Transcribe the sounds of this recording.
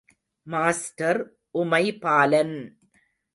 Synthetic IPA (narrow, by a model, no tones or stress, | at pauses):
maːsʈɐɾ | ʔʊmɐɪpaːlɐn